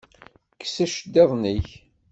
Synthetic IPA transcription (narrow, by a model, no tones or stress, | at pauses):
kːsæʃd̪eðˤniç